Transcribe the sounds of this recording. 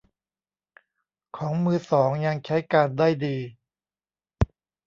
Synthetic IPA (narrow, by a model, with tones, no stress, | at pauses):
kʰɔː˩˦ŋmɯː˧sɔː˩˦ŋja˧ŋt͡ɕʰa˦˥jkaː˧ndaː˥˩jdiː˧